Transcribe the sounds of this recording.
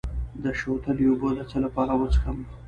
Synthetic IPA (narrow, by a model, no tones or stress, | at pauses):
d̪əʃot̪əliobod̪ət͡səlapɑɾawət͡sə̥xəm